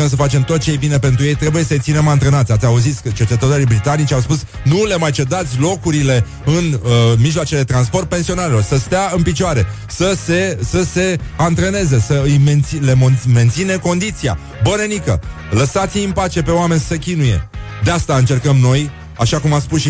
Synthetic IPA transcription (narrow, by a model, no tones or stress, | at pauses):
əms̬əfat͡ʃe̞mt̪o̞t̪̚t͡ʃejebine̞pe̞nt̪ɾujejt̪ɾe̞buje̞səet̪sine̞mant̪ɾənat̪sʲat̪sʲauzit̪sʲət͡ʃe̞t͡ʃe̞t̪ət̪o̞ɾijbɾit̪anit͡ʃʲawspus | nule̞majt͡ʃe̞d̪at̪sʲlo̞kuɾile̞ | ɨnəmiʒloat͡ʃe̞led̪et̪ɾanspo̞rt̪̚pe̞nsio̞naɾelo̞rsəst̪eaɨnpit͡ʃoaɾe̞ | səse̞səse̞ant̪ɾene̞ze̞səɨjment̪sile̞mome̞nt̪sine̞ko̞nd̪it̪sija̰ | bəne̞nikə̰ | ləsat̪sʲiinpat͡ʃe̞pe̞oame̞nʲssekʲinuje̞̰d̪east̪aɨnt͡ʃe̞rkəmno̞j | aʃakumat̪spusʃi